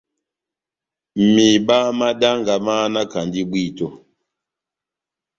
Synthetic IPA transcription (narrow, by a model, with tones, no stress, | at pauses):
mi˨ba˦ma˦da˦ŋɡa˨ma˦na˦ka˨ndi˦bwi˦˨to˨